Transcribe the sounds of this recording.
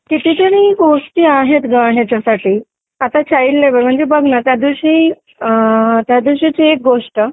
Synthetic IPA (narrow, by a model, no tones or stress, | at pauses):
kit̪it̪əɾĩɡoʂʈiːaɦet̪ɡaɽ̤jat͡ɕjasaʈiː | at̪at͡ɕailleʋəɾm̤əɳd͡zebəɡʱnat̪jad̪iɕi | t̪jad̪iɕit͡ɕeek̚ɡoʂʈə